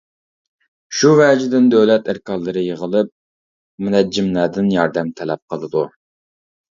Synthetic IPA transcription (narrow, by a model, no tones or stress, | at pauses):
ʃuvɛd͡ʒɪd̪ɪnd̪øwlɛt̪ʰæɾkɑlˠːɨɾɨjəʁəlˠɨp̚ | mɪnɛd͡ʒimlɛːd̪ɪnjɑɾd̪ɛmt̪ʰɛlɛp̚qʰəlˠɨd̪u